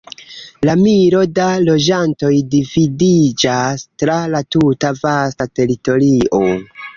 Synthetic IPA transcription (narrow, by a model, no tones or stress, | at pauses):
lamiɾo̞dalo̞d͡ʒanto̞jdividid͡ʒastɾalatutavastate̞ɾito̞ɾiʔo̞